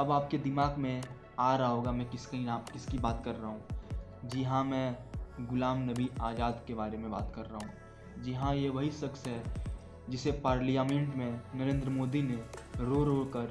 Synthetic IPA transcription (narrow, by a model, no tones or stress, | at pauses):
ɐbaːp̚ked̪ɪmaːɡmẽ | aːɾɐɦaɦoːɡamɛ̃ːkɪskɐinaːmkɪskibaːt̪kɐɾːaɦũːd͡ʒɪɦãmɛ̃ːɡʊlaːmnɐbiaːd͡ʒaːd̪kebaːɾemẽbaːt̪kɐɾːaɦũː | d͡ʒɪɦãjeʋɐɦisɐksɦɛ | d͡ʒɪsepaːɾlijaːmẽɳʈmẽnɐɾẽːnd̪ɾəmoːd̪ineɾoːɾoːɽkɐɾ